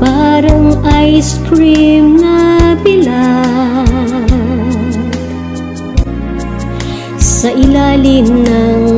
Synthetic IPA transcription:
baɾɐŋajskɾimnɐbila | sɐʔilaːlimnɐ

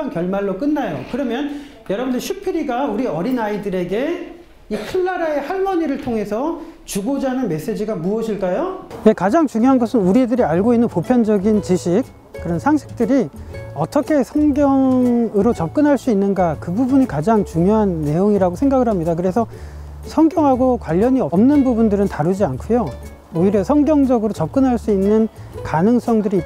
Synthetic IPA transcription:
ankjʌɭmaɭːok͈ɯnːajokɯɾʌmjʌn | jʌɾʌbɯndɯɭɕʰupʰiɾiɡauɾiʌɾinaidɯɾe̞ɡe̞ | ikʰɯɭːaɾae̞haɭmʌɲiɾɯɭtʰoŋɦe̞sʰʌt͡ɕuɡod͡ʑanɯnme̞s͈e̞d͡ʑiɡamuʌɕʰiɭk͈ajoje̞kad͡ʑaŋt͡ɕuŋjoɦanɡʌsʰɯnuɾidɯɾiaɭɡoinːɯnpopʰjʌnd͡ʑʌɡint͡ɕiɕʰik͈̚ː | ɯɾʌnsʰaŋɕʰi̥k̚t͈ɯɾiʌt͈ʰʌkʰe̞sʰʌŋɡjʌŋɯɾot͡ɕʌp̚k͈ɯnɦaɭs͈uinːɯnɡakɯbubuɲikad͡ʑaŋt͡ɕuŋjoɦanːe̞joŋiɾaɡosʰeŋɡaɡɯɭhamɲidakɯɾe̞sʰʌ | sʰʌŋɡjʌŋɦaɡokwaʎːʌɲiʌʌmnɯnbubundɯɾɯntaɾud͡ʑiankʰujo | oiɾjʌsʰʌŋɡjʌŋd͡ʑʌɡɯɾot͡ɕʌp̚k͈ɯnɦaɭs͈uinːɯn | kanɯŋs͈ʌŋdɯɾi

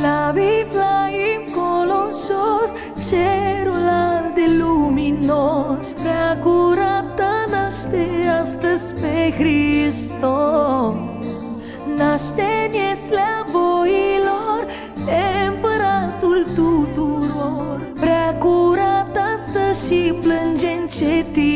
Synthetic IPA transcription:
laviflaimkoloʃos | t͡ʃeɾulaɾd̪eluminospɾakuɾat̪anaʃt̪east̪əspeɣɾist̪o | naʃt̪enjeslaboiloɾ | empəɾat̪ult̪ut̪uɾoɾpɾakuɾat̪ast̪əʃiplənd͡ʒent͡ʃet̪i

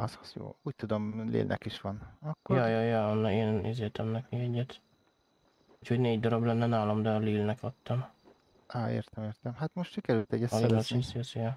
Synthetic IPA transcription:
ɒzɒzjo̰ːuːc̚t̪ud̪omlḛːlnʔɛ̰kiʃʋɒnɒkːojɒjɒjɒɒnːɛeːnḭzeːt̪ʰɛmnɛkiɛɟːɛt̪ | uːcho̞ɟneːɟd̪ɔɾɒblɛnːɛnaːlomd̪ɛɒliːlnɛkɒt̪ːɒm | ɒːḛːrt̪ɛmeːrt̪ɛmhat̪moʃt̪ʃikɛɾylt̪ɛɟːɛsɒlːlɒsisiosjɛ

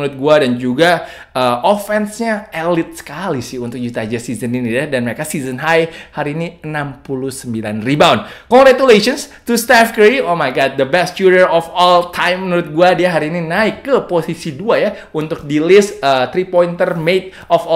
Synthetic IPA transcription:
ɾʊt̪̚ɡuadand͡ʒuɡa | ʔəʔofɛnsɲaɛlɪt̪̚sə̥kalisɪhunt̪ʊk̚d͡ʒut̪aːd͡ʒasizəniniadanməɾekasizənɦajhaɾiːniənampuluhsəmbilanribaʊnkɔŋɡɾat̪uleʃɔnst̪ust̪afkəɾiomajɡad̚d̪əbɛst͡ʃuɾərɔfɔlt̪ʰajmːənuɾʊt̪̚ɡuadiaɦaɾiːninaɪkːəposisiduaja | unt̪ʊk̚dilɪsət̪ɾipoint̪ərmet̪̚ | ɔfɔ

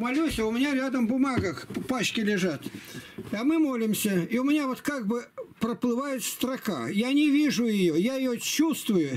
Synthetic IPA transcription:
mɐlʲusʲaʊmʲɪnʲaɾʲad̪əmbʊmaɡəxpaɕkʲɪlʲɪʐat̪ | ɐmɨmo̞lʲɪmsʲəiʊmʲɪnʲavo̞t̪kaɡ̚bɨpɾəplˠɨvajɪt̪st̪ɾɐka̰janʲɪvʲiʐʊjɪjojajɪjot͡ɕːust̪vʊjʊ

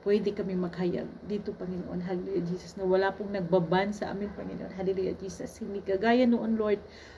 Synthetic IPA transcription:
pwɛd̪ɛkɐmimɐɡɦaja̰ɡ̚d̪iːt̪opɐŋɪnoʔo̰nɦalɪlujad͡ʒiːsɐsnɐwɐlapʊŋnɐɡ̚babansɐʔa̰ːmɪnpɐŋɪnoʔonɦalɪlujɐd͡ʒiːsɐshɪnd̪ikɐɡaːjɐnoʔonloɹd̪̚

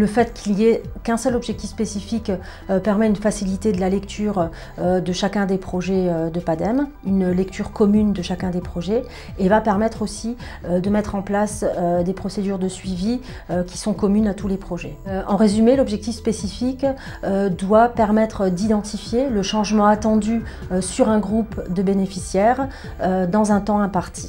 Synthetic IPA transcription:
ləfɛt̪kʲʰiliekɛ̃sœlɔbʒɛk̚t̪ifspesifik | øpɛʁmɛynfasilit̪ed̪əlalɛkt̪ʰyːʁ | ød̪əʃakʲɛ̃d̪epχɔʒɛød̪əpad̪ɛm | ynlɛk̚t̪ʰyʁkɔmynd̪əʃakʲɛ̃d̪epχɔʒɛ | evapɛʁmɛt̪χosi | ød̪əmɛt̪χɑ̃plasød̪epχɔsed̪yʁd̪əsɥivi | økʲi̥sɔ̃kɔmynat̪ulepχɔʒɛɑ̃ʁezymelɔbʒɛk̚t̪ifspesifik | ød̪wapɛʁmɛt̪χəd̪id̪ɑ̃t̪ifjeləʃɑ̃ʒmɑ̃at̪ɑ̃d̪y | øsyʁɛ̃ɡʁupd̪əbenefisjɛʁ | ød̪ɑ̃zɛ̃t̪ɑ̃ɛ̃paʁt̪ʰi̥

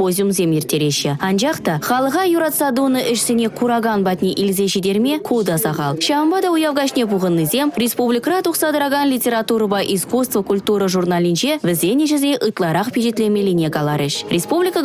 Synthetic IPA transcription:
ozʲjumzʲemeɾt̪eɾeʃɪɑnʒɑqt̪ɑχɑlˠəʁɑjuɾɑt̪sɑd̪unəʔʏʃsenʲe̞kʰuɾɑɡɑnbɑt̪neʔilzeʃed̪e̞ɾme̞kʰud̪ɑsɑʁɑlˠʃɑəmbɑd̪ɑʊjɑvʁɑʃnebuʁənːɨze̞mɾʲe̞spublʲijkɾɑt̪uqsɑd̪əɾaɡɑnlʲijtʲe̞ɾat̪uɾəbɑjʔiskust̪vəkʰulʲt̪uɾəʒuɾnalʲijnʃevɪzenʲeʒɪznʲeʔəjt̪əlˠɑɾɑqpʰʲeʃet̪lʲemelʲinʲeɡalˠaɾeʃrʲʔe̞spublʲijkə

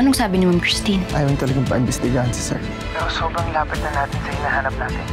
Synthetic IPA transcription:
ʔɐnoŋsaːbɪnɪmamkɹɪst̪inʔaːjawɐŋt̪ɐlɐɡaŋpɐʔɪmbɛst̪ɪɡaːhɐnsɐ̥sɛ̰ɾ | nosoːbɾɐŋlaːpɐt̪̚nɐnaːt̪ɪnsɐhɪnaːhaːnɐp̚naːt̪ɪn

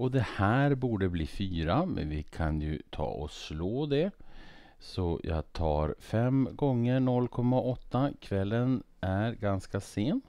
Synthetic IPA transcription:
ɔd̪ɛhæːɾbuːɖəbliːfyːɾamɛ̰nvɪkʰanjɵ̰t̪ʰɑ̰ːɔsloːd̪ɛ | sɔjʔɑ̰ːɡt̪ʰɑːɾfɛmɡɔŋːəɳɔlːkʰɔmːaʔɔt̪ːakʰvɛlːən | æɾɡanskaseːn

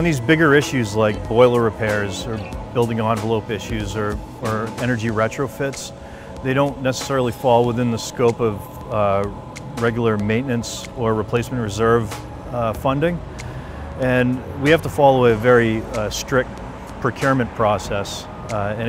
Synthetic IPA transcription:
nðizbɪɡə˞ɪʃʉzlaɪk̚b̥ɔɪlˠə˞ɹɨpʰɛɹzə˞b̥ɪlˠdɪ̃ŋɑ̃nvəloʊpɪʃʉzə˞ | ə˞ɛnə˞d͡ʒiɹɛt͡ʃɹ̥oʊfɪts | ðeɪɾõʊ̃nːɛsə̥sɛɹl̩ˠifɔlˠwəθɪ̃nðəskoʊpʌv | ɹɛɡjl̩ˠə˞mẽɪ̃nːɨ̃nts | ə˞ɹɨpʰl̥eɪsmɨ̃nʔɹɨzɜ˞v̥ | fʌ̃ndɪ̃ŋ | ɨ̃nwihæftəfɔlˠəweɪɨvɛɹistɹ̥ɪk̚t̚ | pʰɹ̥ɨkʰj̥ʊɹmɨ̃npʰɹ̥ɔsɛs | ɨ̃

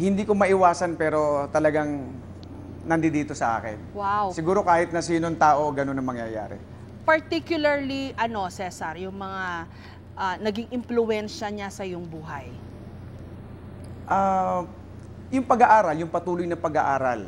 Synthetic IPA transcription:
hɪnd̪iːkomɐʔɪwaːsɐnpɛːɾo̞t̪ɐlɐɡaŋ | nɐnd̪ɪd̪iːt̪o̞sɐʔa̰ːkɪ̰nwawsɪɡuːɾo̞kaːhɪt̪̚nɐsiːnont̪aːʔo̞ɡɐno̞nɐŋmɐŋjɐja̰ːɾɛ̰ | pɐɹt̪ikjʊlɐɹliʔɐno̞sɛsɐɾjʊŋmɐŋa | ʔanɐɡɪŋɪmplʊɛnʃɐɲasɐjoŋbuːɦɐj | ʔa | jʊŋpɐɡɐʔaːɾɐljʊŋpɐt̪uːlojnɐpɐɡɐʔaːɾɐl

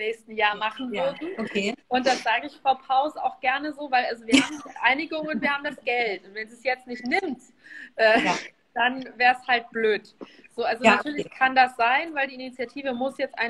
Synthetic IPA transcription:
nɛːçstn̩jaːɐmaχn̩vʏɐdn̩okʰeʔʊnt̚d̥asz̥aːɡəɪçfʁ̥aʊpʰaʊsa̰ʊxɡ̥ɛɐnəzoːvaɪlʔalzoviːɐhaːbmʔaɪnɪɡʊŋʊntviːɐhaːbm̩dasɡ̥ɛltʔʊntvɛndzusjɛt͡stnɪçtnɪmt | ʔɛː | d̥anvɛːɐshalt̚b̥løːt | z̥oːʔalzonatʰyːɐlɪçkʰandasz̥aɪnvaɪldiːʔinit͡sjatʰiːvəmʊsjɛt͡stʔa̰ɪ

